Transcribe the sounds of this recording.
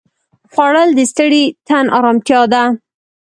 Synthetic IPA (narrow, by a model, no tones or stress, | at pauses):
xwɑɽəld̪əst̪əɽit̪anʔɑɾɑmt̪jɑd̪a